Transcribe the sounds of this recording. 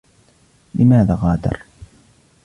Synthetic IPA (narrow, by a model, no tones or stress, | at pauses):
lɪmaːðaːɣɑːd̪ɑ̰ɾˤ